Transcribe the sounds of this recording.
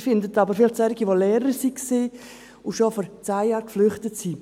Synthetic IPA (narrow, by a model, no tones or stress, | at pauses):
fɪndət̪ɑbəɾfɪlχt͡sɛɾɪɡiʋoleːɾəɾsikseː | uʃofɔɾt͡sajjɑːɾkflʏχtətsi